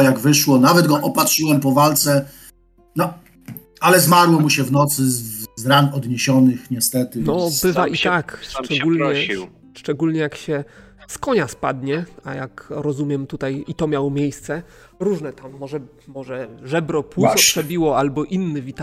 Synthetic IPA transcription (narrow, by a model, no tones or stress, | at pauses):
jaɡvɘʂwɔnavɛd̪ɡɔʔɔpatʂɘwɛmpɔvalt̪sɛ | nɔ | alɛzmaɾwɔmuɕɛvnɔt̪sɘzɾanɔd̪ɲeɕɔnɘxɲɛst̪ɛt̪ɘnɔbɘvaʔit̪akʂt͡ʂɛɡulɲɛ | ʂt͡ʂɛɡulɲɛjakɕɛ | skɔɲaspad̪ɲɛa̰jakɾɔzumʲjɛmt̪ut̪ajit̪ɔmʲjawɔmʲjejst̪sɛ | ɾuʐnɛt̪amːɔʐɛ | mɔʐɛʐɛbɾɔpwuɔpʂɛbʲiwɔalbɔʔinːɘvʲit̪